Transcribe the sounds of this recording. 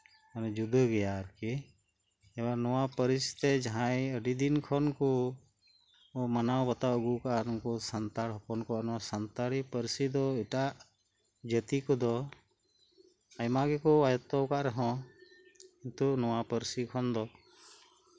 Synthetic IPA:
anɛd͡ʒud̪əɡɛjaɾkɛ | ɛbanɔwapəɾist̪ɛd͡ʒaɦãjəɖid̪inkʰɔnkɔ | manawbət̪aəɡukaʔnɔŋkɔsant̪aɽɦɔpɔnkɔanɔwasant̪aɽipəɾsid̪ɔɛʈaʔ | d͡ʒət̪ikɔd̪ɔ | ajmaɡɛkɔajɔt̪ɔwkaʔɾɛɦɔ̃ | int̪unɔwapəɾsikʰɔnd̪ɔ

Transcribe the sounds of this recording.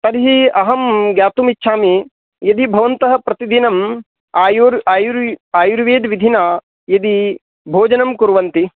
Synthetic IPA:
t̪ɐɾɦiɐɦɐmɡjaːt̪umitːʃʰaːmi | jɐd̪ibʱɐʋɐnt̪ɐɦɐ̆pɾɐt̪id̪inɐm | aːjuɾaːjuɾaːjuɾʋeːd̪ʋid̪ʱina | jɐd̪i | bʱoːd͡ʒɐnɐmkuɾʋɐnt̪i

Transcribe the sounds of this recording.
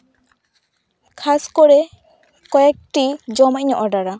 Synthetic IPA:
kʰaskɔɽɛ | kɔjɛk̚ʈid͡ʒɔmacɲɔʔɔɖaɾa

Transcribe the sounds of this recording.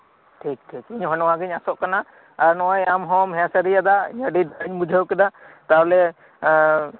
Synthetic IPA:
ʈʰik̚ʈʰikiɲɦɔnɔwaɡiɲasɔʔkana | aɾnɔʔɔjamɦɔmɦɛ̃asəɾijad̪aḭɲəɖibaɽiɲmud͡ʒʱəwkɛd̪at̪awlɛ

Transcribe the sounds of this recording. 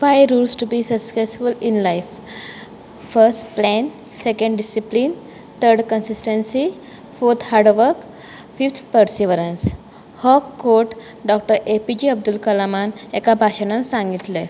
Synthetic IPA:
fajɾulsʈubiːsəsesfulinlajf | fəɾsʈplɛn | sekə̃ɳɖɖisiplin | t̪ʰəɾɖkənsisʈənsi | foɾt̪ʰhaɾɖʋəɾk | fift̪ʰpəɾsiʋəɾəns | hɔkːoɾʈ | ɖɔk̚ʈəɾepid͡ʑiːəb̚d̪ulkəlamanekabʱaɕəɽansãŋɡit̪le

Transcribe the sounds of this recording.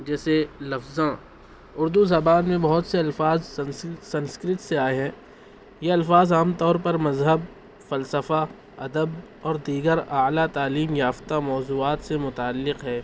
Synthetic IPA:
d͡ʒɛːselɐfzã | ʊɾd̪uzɐbaːnmẽbɐɦʊt̪seɐlfaːzsɐ̃nskɾɪt̪seaːeɦɛ̃ː | jeɐlfaːzaːmt̪ɔːɾpɐɾmɐzɦəb | fɐlsəfa | ɐd̪əb | ɔːɾd̪iːɡəɾaːlat̪aːliːmjaːft̪amɔːzuːaːt̪semʊt̪aːlːɪqɦɛː

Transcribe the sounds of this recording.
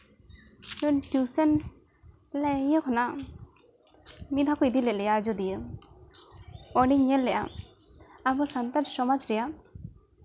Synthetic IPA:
nɔnʈjusɛn | lɛjəkʰɔna | mid̪ʱakɔid̪ilɛt̪̚lɛjad͡ʒɔd̪ijə | ɔniɲɛlːɛʔa̰ | abɔsant̪alsɔmad͡ʒɾɛja

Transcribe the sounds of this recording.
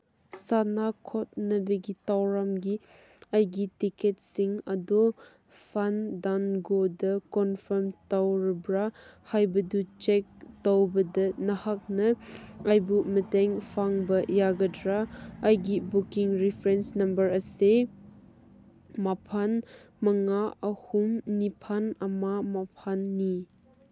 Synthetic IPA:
sanakʰɔt̚nɐbɐɡitawɾamɡi | ɐjɡitiket̚siŋɐdɔ | pʰandanɡodɐkɔnpʰɐɾmtawɾibɾahajbɐdut͡ʃek̚towbɐdɐnɐhak̚nɐajbumɐtɛŋpʰaŋbɐjaɡɐdɾaːjɡibukiŋɾipʰɾensnɐmbɐɾɐse | mapʰan | mɐŋaɐhumnipʰanɐmamapʰanːi

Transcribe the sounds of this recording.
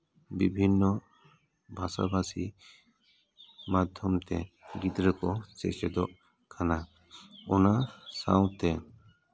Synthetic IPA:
bibʱinːɔ | bʱasa̰bʱasi | mad̪ʱjɔmt̪ɛ̰ɡit̪ɾəkɔt͡ʃɛʔsɛd̪ɔʔ | kʰana | ɔnasa̰w̃t̪ɛ

